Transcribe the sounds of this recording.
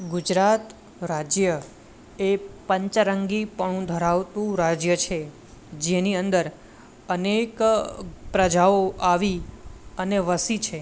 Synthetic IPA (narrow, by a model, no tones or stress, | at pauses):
ɡud͡ʒɾat̪ | ɾad͡ʒjə | epəɲt͡ʃɾəŋɡipəɳ̃ũd̪ʱəɾaʋt̪ũɾad͡ʒjət͡ʃʰe | d͡ʒeniənd̪əɾ | ənek | pɾəd͡ʒaoaʋiəneʋəsit͡ʃʰe